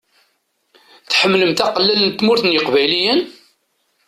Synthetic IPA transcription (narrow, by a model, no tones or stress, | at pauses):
θħəmːləmt̪æqlːælənt̪mʊɾθənjəqvæjlijən